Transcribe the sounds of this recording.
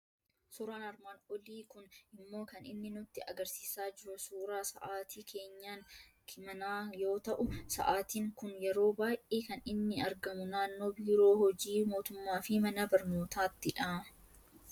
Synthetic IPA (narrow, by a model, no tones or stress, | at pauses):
sʊːɾaːnɐɾmaːnɔliːkʊnɪmːo̞ːkɐnɪ̰nːɪnʊt̪ːɪɐɡɐɾsiːsaːd͡ʒɪɾʊsuːɾaːsɐ̰ʔaːt̪iːkʰe̞ːɲːaːŋkʰɪmɐnaːjo̞ːt̪ɐʔʊsɐ̰ʔaːt̪iːŋkʊnjɛɾo̞ːbaːjʔʔeːkɐnɪnːɪɐɾɡɐmʊnaːnːo̞ːbiːɾo̞ːhɔd͡ʒiːmo̞ːt̪ʊmːaːfɪmɐnɐbɐɾno̞ːt̪aːt̪ːɪᶑɐ